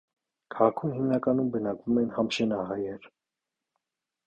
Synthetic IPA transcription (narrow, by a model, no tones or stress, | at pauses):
kʰɑʁɑkʰumhimnɑkɑnumbənɑkvumɛnhɑmʃɛnɑɦɑjɛɾ